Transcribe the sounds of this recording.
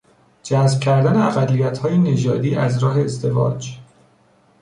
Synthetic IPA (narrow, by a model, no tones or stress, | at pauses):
d͡ʒæzb̥̚cʲʰæɾd̪æneæɣælːijæt̪hɒːjene̞d͡ʒɒːd̪iːʔæzɾɒːɦe̞ːzd̪e̞vɒ̰ːd͡ʒ